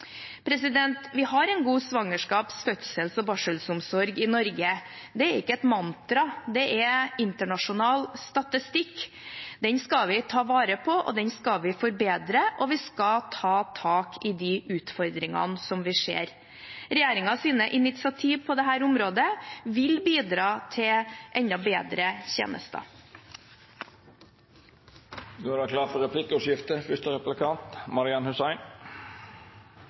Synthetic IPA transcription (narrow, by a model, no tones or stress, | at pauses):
pʰɾɛsɪd̪ɛnt̪ʋɪhɑɾɛɪnɡuːsʋɑŋːəʂkɑːpskœt̪sɛlsɔbɑʂəlsʊmsɔɾɡɪnɔɾɡə | d̪ɛɛɾɪkːəɛt̪mɑnt̪ɾɑd̪ɛʔɛɪnt̪əɳɑʂʊnɑːlst̪ɑt̪ɪst̪ɪkː | d̪ɛnskɑlʋɪt̪ʰɑːʋɑːɾəpʰɔʔɔ̰d̪ɛnskɑlʋɪfɔɾbeːd̪ɾəʔɔʋɪskɑt̪ʰɑːt̪ʰɑːkɪd̪ɪʔʉːt̪fɔɾd̪ɾɪŋɑ̰nsɔmʋɪʂḛːɾ | ɾɛjeːɾɪŋɑsiːnəʔɪnɪt̪sɪɑt̪ʰiːʋpʰɔd̪ɛɦæːɾʊmɾoːd̪əʋɪlbiːd̪ɾɑːt̪ʰɪʔɛnd̪ɑbeːd̪ɾəçḛːnə̰st̪ɑ̰ | ɡ̪oɾækʰlɑːɾfɔɾɛpʰlɪkːʉʂjɪft̪əfʏʂtəɾɛplɪkʰɑnt̪mɑɾɪɑnhʉsæɪn